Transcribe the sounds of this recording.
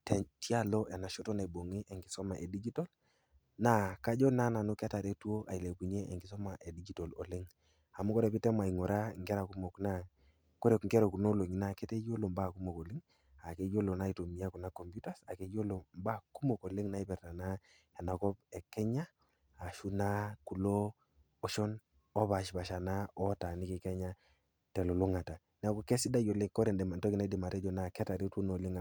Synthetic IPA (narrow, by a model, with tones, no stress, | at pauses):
tɛ˨ntja˦lɔ˦ʔɛ˨na˨ʃɔ˦tɔ˦ne˨bo˨ŋe˦ʔɛ˨ŋɡi˨sɔ˦ma˨ʔe˨di˦d͡ʒi˦tɔ˦l | na˦ka˦d͡ʒɔ˦na˦na˨nu˦ka˦ta˨ɾe˦tu˦o˦ʔa̰˨i˨le˨ku˨ɲɛ˦ʔe˨ŋɡi˨sɔ˦ma˨ʔe˨di˦d͡ʒi˦tɔ˨lɔ̰˨lɪ˦ŋ | a˨mu˦kɔ˦ɾɛ˨pi˦tɛ˦ma˨i˨ŋɔ˨ɾa˦˨ŋɡɛ˦ɾa˨ku˦mɔ˨kna˦ | ko˦ɾe˨kŋ˨ɡɛ˦ɾɔ˨ku˨no˦lo˨ɲi˨na˨kɛ˦te˦jo˦lo˨mba˦˨ku˦mo˨kɔ˨li˦ŋ | a˨ke˨˦jo˦lo˨na˦i˨to˨mi˨˦a˦ku˨na˦kɔ˨mbju˦ta˦sa˨ke˦jo˦lo˨mba˦ku˦mo˨ko˨li˦ŋna˦i˦pɛ˨ɾta˨na˦ | ɛ˨na˨kɔ˦pɛ˨kɛ˦ɲaː˦˨ | ʃu˦na˦ku˨loː˦ | ʃɔ˦n | ɔ˦ba˨ʃba˨ʃa˨na˦ɔ˦ta˨ni˦ki˨kɛ˦ɲa˦ | tɛ˨lo˨lu˦ŋa˨ta˨ | na˨˦ku˦kɛ˦si˦da˦jo˨le˦ŋkɔ˦ɾɛ˨ndɛ˨ma˨ntɔ˦ki˨na˦di˨ma˨tɛ˦d͡ʒɔ˨na˦˨kɛ˦ta˨ɾi˦to˦no˨li˦ŋ˨